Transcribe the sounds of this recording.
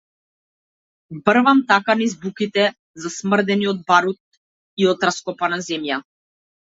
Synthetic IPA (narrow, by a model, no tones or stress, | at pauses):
br̩vamt̪akanizbukit̪ɛ | zasmr̩d̪ɛniɔd̪̚baɾut̪̚ | iɔt̪ɾaskɔpanazɛmja